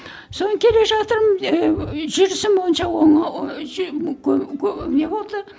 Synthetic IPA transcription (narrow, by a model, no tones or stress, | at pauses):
so̞nəkʲʰe̞le̞ʒɑt̪əɾm | ʒʏɾɪsɪmbo̞jənʃɑwoɴ | kʲʰɵkʲʰne̞bo̞lˠd̪ə